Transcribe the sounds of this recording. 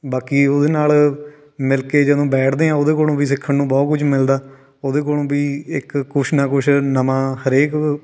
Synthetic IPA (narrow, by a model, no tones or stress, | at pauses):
baːkiːoːd̪eːnaːl | mɪlkeːd͡ʒəd̪õːbɛːʈʰd̪eːãːoːd̪eːkoːlõːʋiːsɪkʰːənnũːbɔːt̪kʊt͡ʃʰmɪld̪aː | oːd̪eːk̬oːlõːbiːɪkːʊʃʰnãːkʊʃnəmãːhəɾeːk